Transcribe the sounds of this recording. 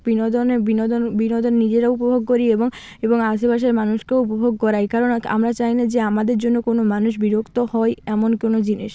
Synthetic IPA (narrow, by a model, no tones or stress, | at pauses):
binod̪onebinod̪onbinod̪onnid͡ʑeɾaupobʱoɡ̚koɾieboŋ | eboŋaʃebaʃ̬eɾmanuʃkeupobʱoɡkɔɾaekaɾona̰mɾat͡ɕajnad͡ʑeamad̪eɾd͡ʑonːokonomanuʃbiɾokt̪ohɔeɛmonkonod͡ʑiniʃ